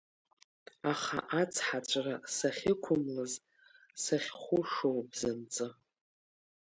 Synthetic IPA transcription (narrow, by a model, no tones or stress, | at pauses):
aχa̰ʔat͡sʰħat͡ʃʷʼrasaχʲɪkʷʰʊmlɨz | saχʲχʷʊʂowbzɨnt͡sʼɨ